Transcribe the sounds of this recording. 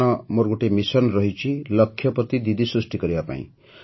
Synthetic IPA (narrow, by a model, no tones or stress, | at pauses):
ʌmoɾɡuʈemisʌnrʌɦit͡ʃʰilʌkʰːjʌpʌt̪id̪id̪isɾusʈikʌɾibapã̰ḭ̃